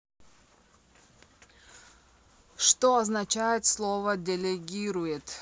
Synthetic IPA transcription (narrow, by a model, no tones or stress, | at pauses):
ʂt̪oɐznat͡ɕajɪt̪slˠovədʲɪlʲɪɡʲiɾʊjɪt̪